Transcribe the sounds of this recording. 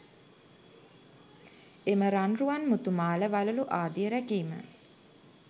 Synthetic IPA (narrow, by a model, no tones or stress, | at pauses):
eməɾanruʋanmut̪umaːləʋaluluʔaːd̪ijəɾækiːmə̰